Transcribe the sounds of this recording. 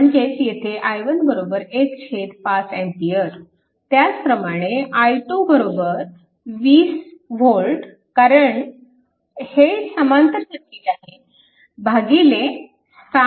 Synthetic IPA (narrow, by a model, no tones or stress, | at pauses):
əɳid͡ʑet͡ɕjet̪ʰeʔajʋənbəɾobəɾekɕʰet̪pasẽnt̪ijəɾ | t̪jat͡spɾəmaɽ̃eʔajʈubəɾobəɾ | ʋiːsʋolɖ | kaɾəɳ | hesəmant̪ɾəɕək̪ːiːlaɦe | bʱaɡile | sa